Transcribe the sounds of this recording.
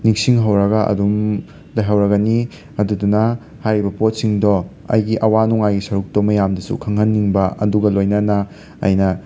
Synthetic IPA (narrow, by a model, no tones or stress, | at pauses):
niŋsiŋɦɐwɾɐɡɐʔɐ̰dum | lɐjɦɐwɾɐɡɐni | ɐdudunɐ | hajɾibɐpot̚siŋdɔ | ɐ̰jɡiʔɐwanuŋajɡisɐɾuk̚tomɐjamdɐsṵkʰɐŋhɐnːiŋbɐɐ̰duɡɐlojnɐnɐ | ɐ̰jnɐ